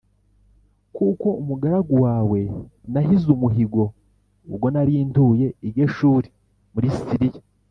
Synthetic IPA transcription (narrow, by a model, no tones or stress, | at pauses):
kuko̞umuɡaɾaɡuwaːwe̞naɦizumuɦiɡo̞ | uβɡo̞naɾiːntuje̞iɡeʃuːɾi | muɾisi̥siɾija